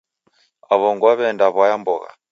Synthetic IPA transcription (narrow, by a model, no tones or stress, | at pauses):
aβɔŋɡwaβɛndaβwajambɔɣa̰